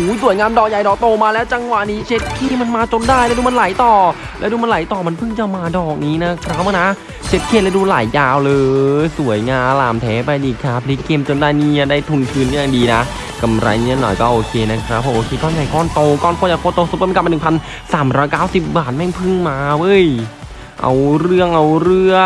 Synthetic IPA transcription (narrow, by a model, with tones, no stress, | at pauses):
uː˨˦˥jsu˩˦jŋaː˧mdɔː˨˩k̚ja˨˩jdɔː˨˩k̚t̪oː˧maː˧lɛː˦˥wt͡ɕa˧ŋwa˨˩ʔniː˦˥t͡ɕʰe˦˥t̪̚kʰiː˥˩ma˧nmaː˧t͡ɕo˧ndaː˥˩jlɛ˦˥duː˧ma˧nla˨˦jt̪ɔː˨˩ | lɛː˦˥wduː˧ma˧nla˨˩˦jt̪ɔː˨˩ma˧npʰɯ˥˩ŋt͡ɕa˧˩wmaː˧dɔː˨˩k̚niː˦˥na˦˥kʰɾa˦˥˩maː˧˩na˦˥ | t͡ɕʰe˦˥t̪̚kʰiː˥˩lɛ˦˥wduː˧laː˨˩˦jːaː˧wlɤː˧su˨˩˦əjŋaː˧mlaː˨˩mt̪ʰɛː˨˦˥pa˧jʔiː˨˩kʰaː˧˩pʰli˦˥kːeː˧mt͡ɕo˧ndaː˧˩jniː˥˩a˧˩daː˥˩jt̪ʰu˧nt̪ʰɯː˦˥n˥˨aː˨˩ŋdiː˧na˦˥ | ka˧mɾa̰˧jni˦˧˥nɔ̰˨˩jkɔː˥˩ʔoː˧kʰeː˧na˦˥kʰɾa˦˥pʰːɔ˧ʔoː˧kʰeː˧kɔː˥˩nka˨˩jkɔː˥˩nt̪o˧kɔː˥˩nkʰoː˧˩ja˨˩kʰoː˧˥˩t̪o˧su˨˧˩a˨˩pm˧nɯ˨˩ŋpʰa˧n | saː˩˦mɾɔː˦˥jkaː˥˩wsi˨˩p̚baː˨˩t̪̚ma˧˥˩ŋpʰɯ˥˩ŋmaː˧wɤ˧˥˩j | ʔa̰˧wɾɯ˥˩əŋʔa˧wɾɯ˥˩ə